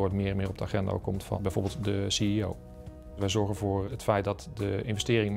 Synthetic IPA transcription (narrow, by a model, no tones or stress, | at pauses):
oːtmɪːrənmɪːrɔb̚dəa̰χɛnda̰o̰kɔmtfɑ̰bɛjvo̰ːɹbɪlˠtdəsiio̰w | ʋɛjzɔɹɣənvʊːrətfɛjtdɑtdəɪnvəstɪːrɪŋə